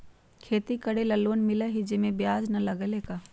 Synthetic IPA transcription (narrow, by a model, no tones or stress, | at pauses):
kʰeːt̪ikɐɽelɐlːoːnmɪlaɦɪd͡ʒemẽbjaːd͡ʒnɐlɐɡəleːkaː